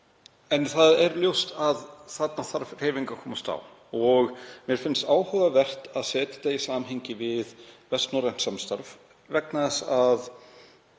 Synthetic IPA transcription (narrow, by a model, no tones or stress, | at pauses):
ɛnθaðɛɾljowst̪aðθat̪̚naθaɾr̥eːjviŋkakʰɔːmast̪a̰w | ɔɣmjɛɾ̥fɪnst̪aːwhœɣavɛr̥t̪aðsɛːt̪ɪ̥t̪aisaːmɦejɲcɪvɪðvɛst̪nɔran̥samst̪aɾv | vɛk̚naðɛsað